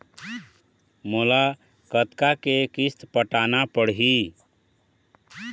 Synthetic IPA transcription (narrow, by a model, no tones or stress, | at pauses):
mola | kət̪kakekist̪pəʈanapəɽɦi